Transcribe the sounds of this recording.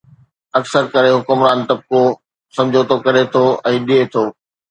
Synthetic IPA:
ɐksəɾkɐɾeɦʊkʊmɾaːnt̪ɐb̚ko | sɐ̃md͡ʑʱot̪ʰokɐɾet̪ʰoɛ̃ːɗiet̪ʰoː

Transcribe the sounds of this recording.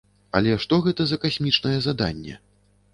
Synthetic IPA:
ɐlʲɛʂt̪ɔɣɛt̪ɐzɐkasʲmʲit͡ʂnɐjɛzad̪a̰nʲːɛ̰

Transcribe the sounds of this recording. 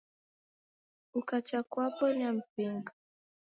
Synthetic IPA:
ukat͡ʃakwapɔnam̩piŋɡa

